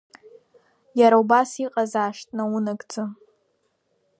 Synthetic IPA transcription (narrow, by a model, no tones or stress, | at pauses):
jaɾaubasiqʼazaːʂtʼnawunɨɡʼt͡sʼɨ